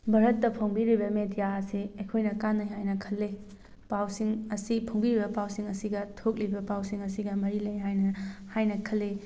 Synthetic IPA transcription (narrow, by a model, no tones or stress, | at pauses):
bʱɐɾɐtːɐpʰɐŋbiɾibɐmedijaɐsiekʰojnɐkanːɐjɦajnɐkʰɐlːe | pawsiŋɐsipʰɐŋbiɾibɐpawsiŋɐsiɡɐtʰok̚libɐpawsiŋɐsiɡɐmɐɾilɐjɦajnɐhajnɐkʰɐlːe